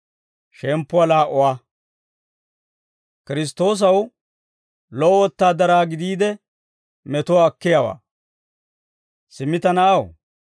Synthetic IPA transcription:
ʃɛmpːʊwɐlaːʔɔwa | kɪɾɪs̬t̪o̞ːs̬ɐw | lɔɔwɔt̪ːaːd̪ɐɾaːɡɪd̪iːd̪ɛ | mɛt̪ɔwːkːɪjawa̰ː | sɪmːɪt̪ɐnɐʔɐw

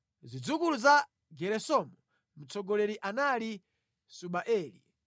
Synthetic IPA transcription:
zid͡zukuluza | ɡɛɾɛsɔmɔ | mut͡sʰɔɡɔlɛɾiʔanali | suɓaʔɛːlḭ

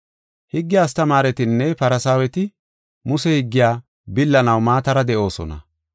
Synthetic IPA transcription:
hɪɡːɪjaːst̪ɐmaːɾɛt̪ɪnːɛpɐɾɐsaːwɛt̪ɪ | mʊsɛhɪɡːɪjaː | bɪlːɐnɐwmaːt̪ɐɾɐd̪ɛʔo̞ːsɔ̰nɐ̰

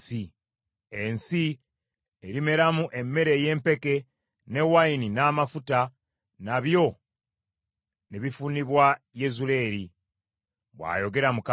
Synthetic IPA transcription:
i | ensi | eɾime̞ɾamuʔe̞mːe̞ɾe̞je̞ːmpe̞ke̞ | ne̞waininaːmafuta | naβjo̞ | neβifuniβwa | je̞zule̞ːɾi | βwa̰ːjo̞ɡe̞ɾamuk

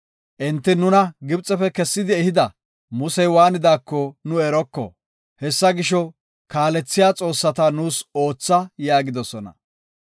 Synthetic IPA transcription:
ʔɪnt̪ːɪnʊnɐɡɪbt͡sʼːɛfɛkɛsːɪd̪ɪɛhɪd̪ɐ | mʊsɛjwaːnɪd̪aːkːɔnʊɛɾɔkːɔ̰ | hɛsːɐɡɪʃɔ | kaːlɛt͡sːɪjaːt͡sʼo̞ːsːɐt̪ɐnuːso̞ːt͡sːɐjaːɡɪd̪ɔsɔnɐ̰

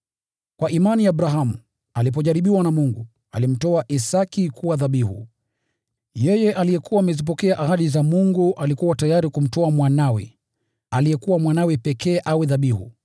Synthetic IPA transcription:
kwaʔimaniaɓɾaɦamu | alip̬ɔʄaɾiɓiwanamuŋɡu | a̰lim̩tɔaʔisakikuwaðaɓihṵ | jɛjɛʔalijɛkuwaːmɛzip̬ɔkɛaʔaɦaɗizamuŋɡuʔalikuwatajaɾikum̩tɔamwanawɛ̰ | alijɛkuwamwanawɛpɛkɛːʔawɛðaɓihṵ

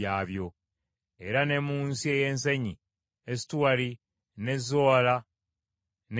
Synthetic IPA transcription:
aːβjo̞ | eɾane̞muːnsie̞je̞ːnseɲi | esi̥tuwaɾi | ne̞zoːla | n

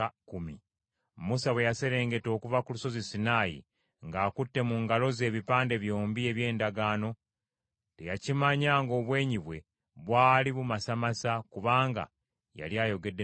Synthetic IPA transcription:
kumi | musawe̞jase̞ɾe̞ːŋɡe̞to̞ːkuvakuluso̞zisinaːjḭ | ŋɡaːkutːe̞muŋɡalo̞ze̞ːβipaːnde̞βjo̞ːmbie̞βje̞ːndaɡaːno̞ | tejacimaɲaːŋɡo̞ːβwe̞ːɲiβwe̞ | βwaːliβumasamasakuβaːŋɡa̰ | ja̰ljaːjo̞ɡe̞dːe

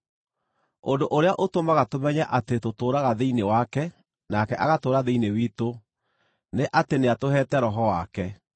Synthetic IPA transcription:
ondoʔoɾeaʔotomaɣatomɛɲɛʔatetotoːɾaɣaðeinewakɛ | nakɛʔaɣatoːɾaðeinewiːto | neʔateneatoɦɛtɛɾɔɦɔwakɛ

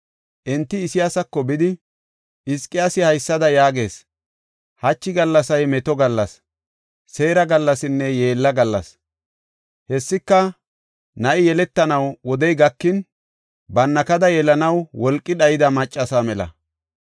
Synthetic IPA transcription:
ʔɛnt̪ːɪːsɪjaːsɐkːɔbɪd̪ɪ | ɪskʼːɪjasɪhɐjsːɐd̪ɐjaːɡe̞ːs | hɐt͡ʃːɪɡɐlːɐsɐjmɛt̪ɔɡɐlːɐs | se̞ːɾɐɡɐlːɐsɪnːɛje̞ːlːɐɡɐlːɐs | hɛsːɪkːɐ | nɐʔɪjɛlɛt̪ːɐnɐwwɔd̪ɛjɡɐkːɪn | bɐnːɐkɐd̪ɐjɛlɐnɐwwɔlkʼːɪɗɐjɪd̪ɐmɐt͡ʃʼːɐsaːmɛlɐ̰

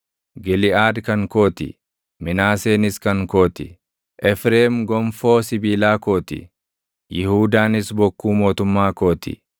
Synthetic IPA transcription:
ɡɛlɪaːd̪kɐŋkoːt̪ɪ̰ | mɪnaːseːnɪskɐŋkoːt̪ɪ̰ | ʔɛfɾeːmɡɔɱfoːsɪbiːlaːko̞ːt̪ɪ̰ | jɪhuːd̪aːnɪsbɔkːuːmo̞ːt̪ʊmːaːkoːt̪ɪ̰

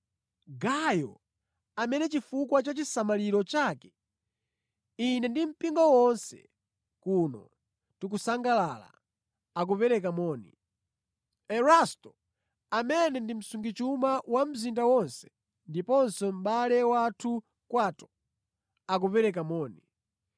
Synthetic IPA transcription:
ɡajɔ̰ | amɛnɛt͡ʃifukwat͡ʃat͡ʃisamaliɾɔt͡ʃaːkɛ̥ | inɛndim̩piŋɡɔwɔnsɛ̰ | kunɔ̰ | tikusaŋɡalala̰ | ak̬upɛɾɛk̬amɔːnḭ | ɛɾastɔ | amɛnɛndim̩suŋɡit͡ʃumawam̩zindawɔnsɛ̥ | ndipɔnsɔm̩ɓalɛwatʰu | kwaːtɔ̥ | ak̬upɛɾɛk̬amɔːni

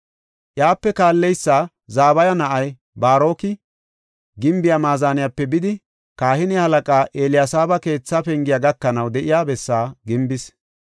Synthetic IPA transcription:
ʔjaːpːɛkaːlːɛjsːaː | zaːbɐjɐnɐʔɐj | baːɾo̞ːkɪ | ɡɪmbɪjamaːzaːnɪjapːɛbɪd̪ɪ | kaːhɪnɪhɐlɐkʼaːʔeːlɪjasaːbɐke̞ːt͡sːapɛŋɡɪjaɡɐkːɐnɐwd̪ɛʔɪjaːbɛsːaːɡɪmbɪs

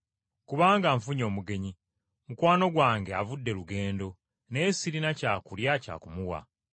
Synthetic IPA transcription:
kuβaːŋɡaɱfuɲo̞ːmuɡe̞ɲi | mukwaːno̞ɡwaːŋɡeavudːe̞luɡe̞ːndo̞ | ne̞ːsiɾinacaːkuljaca̰ːkumuwa̰

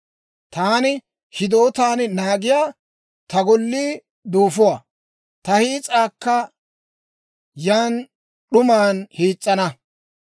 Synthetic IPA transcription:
t̪aːnɪ | hɪd̪oːt̪aːnnaːɡɪjaː | t̪ɐɡɔlːiː | d̪uːfʊwa | t̪ɐhiːt͡sʼaːkːɐ | jaːn | ɗʊmaːnhiːt͡sʼːɐnɐ

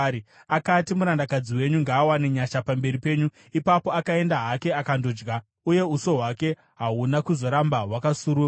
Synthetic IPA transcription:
akatimuɾandakad͡ziwe̞ɲuŋɡaːwane̞ɲaʃapambe̞ɾipe̞ːɲu | ipapo̞akae̞ndaɦake̞akando̞d͡ʒɡa | uje̞uso̞ɦwake̞ | ɦaunakuzo̞ɾambawakasuɾu

